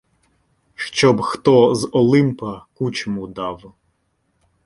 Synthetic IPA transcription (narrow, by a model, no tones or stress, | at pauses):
ʃt͡ʃɔbxt̪ɔzɔlˠɪmpɐkut͡ʃɔmud̪ɑw